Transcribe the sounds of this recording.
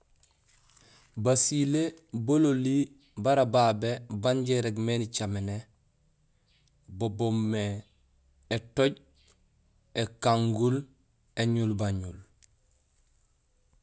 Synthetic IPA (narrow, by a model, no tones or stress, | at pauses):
basilebololi | baɾababebaɲɟeɾeɡmenit͡ʃamene | bobomːe | etoɟ | ekaŋɡul | eɲulbaɲul